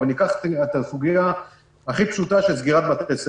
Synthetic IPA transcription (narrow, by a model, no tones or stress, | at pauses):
alikaχt̪et̪asuɡija | aχipʃut̪aʃezɡiʁat̪̚bat̪tes